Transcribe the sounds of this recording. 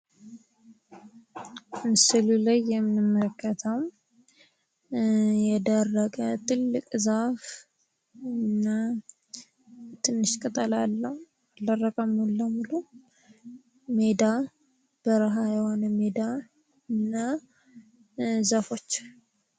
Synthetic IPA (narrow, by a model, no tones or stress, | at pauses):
sɨlulajːɛmːɨnɨmːələkːət̪ʰəw | jɛd̪ərːəkʼət̪ʰɨlːɨkʼzaf | ɨnːa | t̪ʰɨnːɨʃkʼɨt̪ʼəlalːəh | aldərːəkʼəmːulːəmulu | med̪a | b̥əɾɦajɛho̞nəmed̪a | ɨnːa | zafo̞t͡ʃː